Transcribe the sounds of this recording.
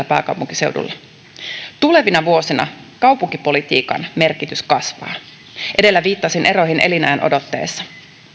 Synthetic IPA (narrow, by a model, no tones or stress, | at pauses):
æpɑ̰ːkɑwpuŋkise̞wdṵlːɑ | t̪ule̞ʋinɑʋuo̞sinɑ̰kɑwpuŋkipo̞lit̪ḭːkɑ̰nme̞rkit̪yskɑsʋɑ̰ː | ʔe̞delːæʋiːt̪ːɑsinʔe̞ɾo̞ɦinʔe̞̰linæenʔo̞̰do̞t̪ːe̞̰ːsːɑ̥